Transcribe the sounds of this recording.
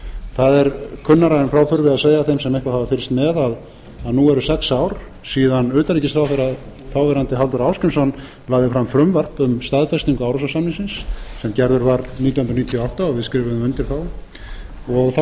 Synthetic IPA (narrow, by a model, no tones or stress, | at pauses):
θaðɛɾkʰʏnːaɾajɪnfɾaːwθʏɾvɪaðseːjaθejmsɛmɛhkvaðhavafɪɾst̪mɛðaðː | ðnuɛɾʏsɛksaːwɾ̥ | siːðanːʏːt̪aliːcɪst̪θɾawθɛɾað | θawvɛɾant̪ɪɦalt̪ʏɾawskʏmsɔnː | laːðɪfɾamfɾʏmvar̥pʏmst̪aðfɛst̪iŋkʏaːwɾas̬ɔsamniŋsɪnsːɛmcɛɾðʏɾvaɾðniːt̪awhʏnɾniːt̪ʰjɔawht̪aɔɣvɪðskɾɪːvɪmɛnt̪ɪɾ̥θaw | ɔɣθ